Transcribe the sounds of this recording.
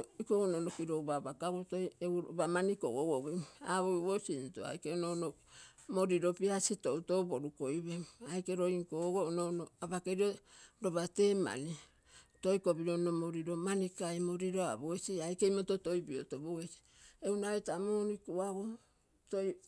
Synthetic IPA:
ikoɡononokiɾowbabakaɡotojewɾobamaniko̰ɡoɡoɡeaβojβosinto̰a̰jkeonono | moɾiɾo̞piasitowtoboɾukoiβeajkeɾo̞iŋkoɡoɡononoabakeɾioɾoβate̞ma̰ni | to̞jko̞biɾonomoɾiɾomanikajmoɾiɾoa̰boesiajkejmototo̞jbiotoboesi̥ | ewnaβetamoɾikuaɡo | toj

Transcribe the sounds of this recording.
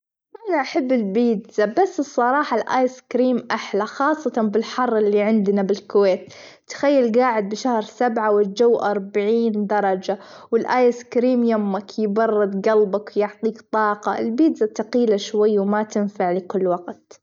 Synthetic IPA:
ʔanaʔaħabːɪlbiːd̪zabasːɨsˤːɑɾˤɑːħɑlʔaːjskɾiːmʔaħlaxɑːsˤːɑt̪ɑnbɪlħɑrˤːɪlːiʕɪnd̪nabɪlkweːt̪t̪ːḁxajːalɡaːʕɪd̪̚bɪʃahɾsabʕawɪld͡ʒawːʔɑɾˤbaʕiːnd̪ɑɾˤɑd͡ʒawɪlʔaːjɪskɾiːmjamːakjɪbɑrːɪd̪ɡɑlbakwjɪʕt̪ˤiːkt̪ˤɑːqɑʔɪ̰lbiːd̪zat̪aqiːlaʃwajːwmat̪ɪnfaʕlɪkʊlːwaɡt̪

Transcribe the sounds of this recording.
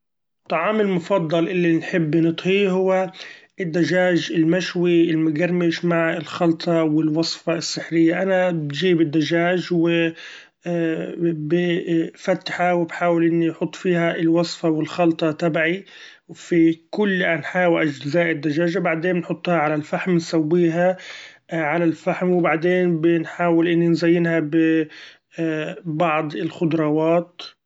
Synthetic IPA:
t̪ˤːɑʕɑːmɪlmʊfɑd̪ˤːɑlʔɪlːinħɪbːnɨt̪ˤhiɦʊwːaʔɪd̪ːaʒaːʒɪlmaʃwiɪlmʊɡaɾˤmɪʃmaʕɪlxɑlt̪ˤɑwɪlwɑsˤfɑɪsːɪħɾɪjːaʔanabʒiːbɪd̪ːaʒaːʒwɪ | bɪfat̪ːħawɪbħaːwɪlʔɪnːiħʊt̪ˤːfiːhaɪlwɑsˤfɑwɪlxɑlt̪ˤɑt̪abaʕi | wfikʊlːʔanħaːwɪlʔaʒt̪ɪzaːʔɪd̪ːaʒaːʒabaʕd̪eːmnħʊt̪ˤːhaʕalalfaħmnsawːiːɦa | ʕalalfaħmwbaʕd̪eːnbɪnħaːwɪlʔɪnːinzajːɪnhabɪ | bɑʕd̪ˤɪlxʊd̪ɾˤɑːwaːt̪

